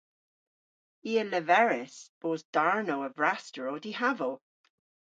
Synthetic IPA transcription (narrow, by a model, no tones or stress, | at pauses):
iːələvɛɹɪsb̥oːzd̥aɹnowəvɹastəɹodihavəl